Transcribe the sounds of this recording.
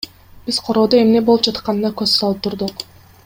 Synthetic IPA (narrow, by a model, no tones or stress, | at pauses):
b̥iz̥qʰo̞ɾo̞ːd̪oe̞mne̞bo̞lˠup̚d͡ʒɑt̪qɑnɯnɑkøzsɑlˠɯp̚t̪ʰuɾd̪uq